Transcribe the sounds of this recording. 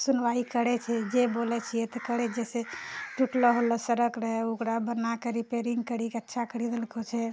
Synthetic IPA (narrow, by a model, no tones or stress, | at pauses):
sunʋaikəɾɛt͡ʃʰɛd͡ʒebolɛt͡ʃʰijɛt̪ɔkəɽɛd͡ʒɛseʈuʈləɦolɔsəɾəkɾəɦɛukɾabənakəɾipeɾiŋɡkəɾikeətːʃʰakəɾid̪əlkʰot͡ʃʰɛ